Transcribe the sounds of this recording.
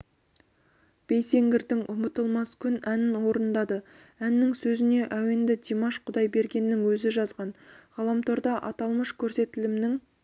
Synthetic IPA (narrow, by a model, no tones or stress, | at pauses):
b̥e̞jse̞ŋɡʲɪɾd̪ɪŋʔʊmət̪əlˠmɑskʲʰʏnænɪnwo̞ɾənd̪ɑd̪ə | ænːɪŋsɵzɪne̞ʔæwend̪ɪd̪ʲemaʃqʰʊd̪ɑjbe̞ɾɡʲe̞nːɪŋwɵzɪʒɑzʁɑnʁɑlˠɑmt̪ʰoɾd̪ɑʔɑt̪ɑlˠməʃkʲʰɵɾse̞t̪ɪlɪmnɪŋ